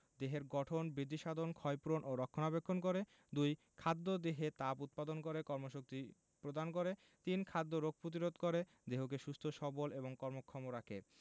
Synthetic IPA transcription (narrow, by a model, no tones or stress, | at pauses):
d̪eɦeɾɡɔʈʰonbɾid̪ːiʃad̪ʱonkʰɔjpuɾonʔoɾɔkʰːonabekʰːonkoɾe | d̪uj | kʰad̪ːod̪eɦet̪aput̪̚pad̪onkoɾekɔɾmoʃok̚t̪i | pɾod̪ankoɾe | t̪inkʰad̪ːoɾoɡ̚pɾot̪̬iɾod̪koɾe | d̪eɦok̬eʃust̪ʰoʃɔboleboŋkɔɾmokʰːɔmoɾakʰḛ